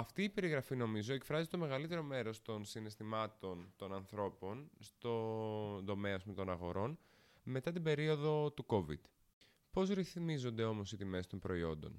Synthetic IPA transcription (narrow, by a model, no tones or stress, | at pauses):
ɐft̪iːpe̞ɾiɣɾɐfino̞mizo̞e̞kfɾɐzit̪o̞me̞ɣɐlit̪e̞ɾo̞me̞ɾo̞st̪o̞nsinest̪imɐt̪o̞nt̪o̞nɐnθɾo̞po̞nst̪ond̪o̞me̞ɐspumet̪o̞nɐɣo̞ɾo̞n | me̞t̪ɐt̪̬ibe̞ɾio̞ðo̞t̪uko̞vḭd̪̥ | po̞zɾiθmizo̞nd̪e̞o̞mo̞sit̪ime̞st̪o̞mpɾo̞io̞̰nd̪o̞̰n